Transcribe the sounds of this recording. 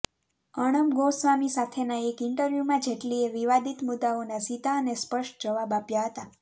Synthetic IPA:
əɽ̃əmɡosʋamisat̪ʰenaekɪɳʈəɾʋjumãd͡ʒeʈlieʋiʋad̪it̪mʊd̪aonasit̪aənespəʃʈd͡ʒəʋabapjaɦət̪a

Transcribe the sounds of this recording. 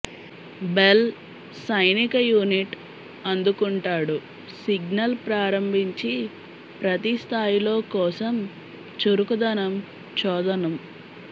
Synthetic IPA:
bel | sɐjnikɐjuːniʈ | ɐnd̪ukuɳʈaːɽu | siɡnɐlpɾaːɾɐmbʱiɲt͡ʃi | pɾɐt̪ist̪ʰaːjilo̞ːkɔːsɐm | t͡ʃuɾukud̪ɐnɐm | t͡ʃɔːd̪ɐnɐm

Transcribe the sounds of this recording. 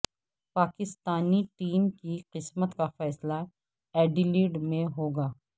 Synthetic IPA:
paːkɪst̪aːniʈiːmkiqɪsmət̪kafɛːsla | ɛːɖiliːɖmẽɦoːɡaː

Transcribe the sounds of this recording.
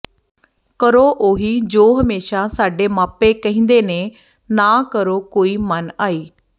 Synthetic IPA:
kəɾoːʔoɦiːd͡ʒoːɦəmeːʃaːsaːɖeːmaːpeːkəɦĩːnd̪eːneː | naːkəɾoːkoːiːmənaːiː

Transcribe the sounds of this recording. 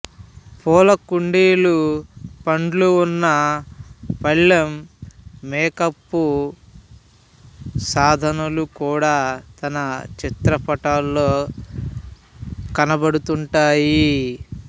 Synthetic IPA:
pɔːlɐkuɳɖeːlupɐɳɖluːnːɐ | pɐɭːɐmː | ɛːkɐpːu | saːd̪ʱɐnulukuːɽaːt̪ɐnɐt͡ʃit̪ɾɐpɐʈaːlːoː | kɐnɐbɐɽut̪uɳʈaːji

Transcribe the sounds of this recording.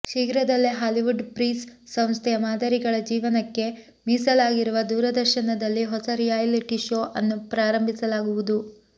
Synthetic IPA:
ʃiɡɾɐd̪ɐlːiɦaːliʋuɖpɾiːssɐ̃m̃st̪ʰɛjɐmaːd̪ʱɐɾiɡɐɭɐd͡ʒiːʋɐnɐkːe̞ | miːsɐlaːɡiɾuʋɐd̪uːɾɐd̪ɐɾʃɐnɐd̪ɐlːiɦɔsɐɾijaːjliʈiʃoːʔɐnːupɾaːɾɐmbʱisɐlaːɡuʋud̪u

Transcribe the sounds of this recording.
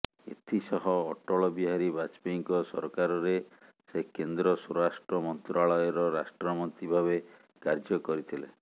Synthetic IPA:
ḛt̪ʰisɔɦɔːʈɔɭɔbiɦaɾibat͡ʃpiŋkɔsɔɾkaɾɔɾe | sekend̪ɾɔsuɾasʈɾɔmɔnt̪ɾaɭɔjɔɾɔɾasʈɾɔmɔnt̪ibʱaβe | kaɾd͡ʒɔkɔɾit̪ʰile

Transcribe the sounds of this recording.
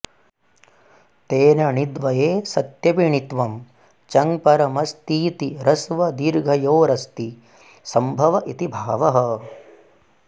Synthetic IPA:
t̪eːnɐɳid̪ʋɐjeːsɐt̪jɐʋiɳit̪ʋɐm | t͡ʃɐŋpɐɾɐmɐst̪iːt̪iɾɐsʋɐd̪iːɾɡʱɐjoːɾɐst̪i | sɐmbʱɐʋɐʔit̪ibʱaːʋɐɦɐ

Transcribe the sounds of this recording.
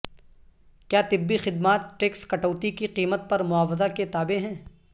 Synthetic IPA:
kjaːt̪ɪbːixɪd̪maːt̪̚ʈeːkskɐʈoːt̪ikiqiːmət̪̚pɐɾmʊaːʋəzaket̪aːbeɦɛ̃ː

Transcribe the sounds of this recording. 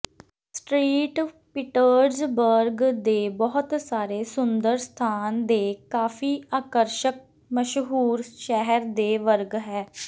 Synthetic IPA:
sʈɾiːʈ | pɪʈəɾzbəɾɡd̪eːbɔːʊt̪saːɾeːsʊnd̪əɾst̪ʰaːnd̪eːkaːfʰiːaːkəɾʃək̚ | məʃɦuːɾʃɛɦəɾd̪eːʋəɾɡɦɛː

